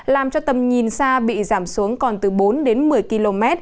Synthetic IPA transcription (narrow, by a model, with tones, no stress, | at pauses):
laː˨˩mt͡ɕɔ˧t̪ə˨˩mɲi˨˩nsaː˧ɓḭ˧˨zaː˧˩msu˨˦əŋkɔ˨˩nt̪ɨ˨˩ɓo˨˦nɗe˨˦nmɨ˨˩əjki˧lo˧mɛ˦˥t̚